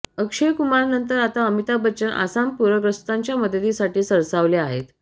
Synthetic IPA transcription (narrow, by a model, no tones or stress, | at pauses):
əkʂejkumaɾnənt̪əɾat̪aəmit̪abət͡ɕənʔa̰sampuɾəɡɾəst̪aɲt͡ɕjaməd̪ʱət̪isaʈiːsəɾsaʋleaɦḛt̪